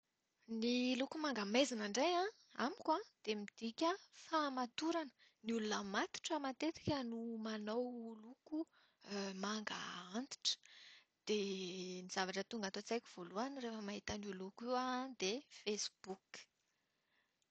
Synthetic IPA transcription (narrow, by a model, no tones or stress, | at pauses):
nilukumaŋɡəmezinəɳɖ͡ʐejã | a̰mikwad̪̥emid̪̥ikʲəfamat̪uɾanə̥ | niulunəmat̪i̥ʈ͡ʂəmat̪et̪i̥kʲənumanowluku | maŋɡə̰ant̪i̥ʈ͡ʂə̥ | d̪̥eniz̥avaʈ͡ʂət̪uŋɡat̪ot͡sajkʲu̥v̥oluanirefəmaɦit̪ənulukiwad̪efesb̥uk